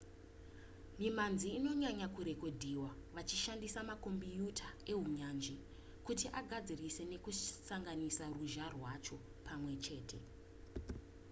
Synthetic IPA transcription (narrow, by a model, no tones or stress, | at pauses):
mimanziːno̞ɲaɲakuɾe̞ko̞dʱiwaʋat͡ʃiʃandisamako̞mbijutʰae̞ɦuɲand͡ʒi | kutiʔaɡʱad͡zirise̞ne̞kusaŋɡanisaruʒarwat͡ʃo̞ | pʰamwe̞t͡ʃe̞ːtʰe̞̰